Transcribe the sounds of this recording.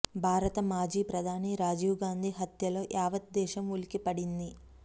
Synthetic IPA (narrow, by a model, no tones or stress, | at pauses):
bʱaːɾɐt̪ɐmaːd͡ʒiːpɾɐd̪ʱaːniɾaːd͡ʒiːwɡaːnd̪ʱiːɦɐt̪jɐlo̞ːʔaːʋɐt̪̚d̪ɛːʃɐmulikipɐɽind̪i